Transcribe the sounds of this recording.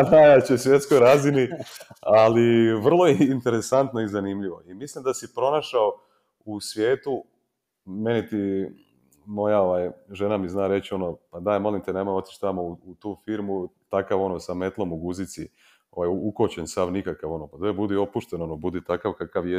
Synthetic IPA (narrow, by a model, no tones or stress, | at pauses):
d̪ajat͡ɕesʋje̞t̪skojɾaːzinialiʋr̩lˠo̞jeint̪e̞ɾesant̪noizanimʎiʋo̞imislimd̪asipɾo̞naʃao | usʋje̞ːt̪u | me̞nit̪i | mo̞jao̞ʋajʒe̞namiznaːɾe̞t͡ɕio̞nopad̪ajmo̞limt̪enemojo̞t̪i̥t͡ʃt̪amouut̪uːfiɾmut̪akaʋo̞nosame̞t̪lˠo̞muɡuzit̪si | o̞̰ʋajuukot͡ɕensamnikakaʋo̞nopat̪ebud̪io̞puʃt̪eno̞nobud̪it̪akaʋkakaʋje